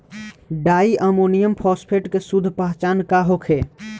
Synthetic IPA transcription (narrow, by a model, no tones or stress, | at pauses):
ɖaːiʔəmonijəmpʰɔːspʰeʈkesud̪ʱːpəɦt͡ʃaːnkaɦokʰe